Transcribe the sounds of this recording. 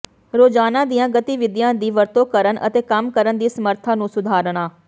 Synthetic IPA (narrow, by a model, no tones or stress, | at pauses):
ɾoːd͡ʒaːnãːd̪ijãːɡət̪iːʋɪd̪ɪjãːd̪iːʋəɾt̪õːkəɾənʔə̰t̪eːkəmkəɾənd̪iːsəməɾt̪ʰaːnũːsʊd̪ʱaːɾɳ̃aː